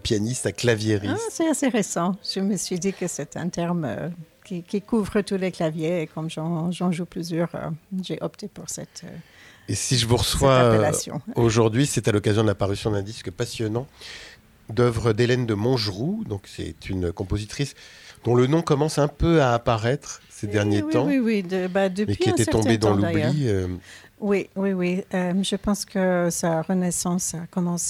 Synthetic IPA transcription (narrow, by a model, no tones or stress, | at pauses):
apjanist̪aklavjeʁisɛtaseʁesɑ̃ʒ̥əməsɥid̪ikəsɛt̪ɛ̰̃t̪ɛʁmø̰kʲikʲikuvʁət̪uleklavjeːkɔmʒɑ̃ʒɑ̃ʒuplyzjœːʁø̰ʒeʔɔpt̪epuʁsɛt̪ø̰ | esiʒəvuʁəswaɛlasjɔ̰̃oʒuʁd̪ɥisɛt̪alɔkazjɔ̃d̪əlapaʁysjɔ̃d̪ɛ̃d̪iskəpasjɔnɑ̃ | d̪œvʁəd̪elɛnd̪əmɔ̃ʒʁud̪ɔ̃ksɛ̰t̪ʰynkɔ̃pozit̪χisd̪̥ɔ̃lənɔ̃kɔmɑ̃sɛ̃pøaːpaʁɛt̪χsed̪ɛʁnjetw̪ɑ̃iwid̪əbad̪əpeɥikiẽt̪ɛtɛt̪ɔ̃bed̪ɑ̃lujbliø | wiwiwiøʒəpɑ̃skəsaʁənɛsɑ̃sakɔmɑ̃s